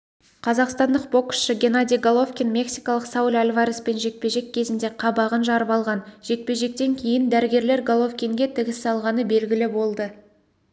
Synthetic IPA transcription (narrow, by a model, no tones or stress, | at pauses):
qʰɑzɑqst̪ɑnd̪əq̚bo̞ksʃəɡʲe̞nad̪ʲijɡolˠofkʲinmʲe̞ksijkɑlˠəqsɑwulʲalʲvaɾispe̞nʒe̞k̚pe̞ʒe̞kʲʰːe̞zɪnd̪e̞qʰɑbɑʁənʒɑɾəpɑlˠʁɑnʒ̥e̞k̪̚pe̞ʒe̞k̚t̪e̞ŋkʲʰe̞jɪnd̪æɾɪɡʲe̞ɾle̞ɾɡolˠo̞fkʲiŋɡʲe̞t̪ʰɪɡʲɪsɑlˠʁɑnəbe̞lɡʲɪlɪbo̞lˠd̪ə